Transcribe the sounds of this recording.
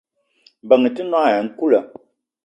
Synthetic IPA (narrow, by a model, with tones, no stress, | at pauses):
bə˨ŋ˨ti˦nwa˦˨jɛ˨ŋ̩˦ku˦lə˨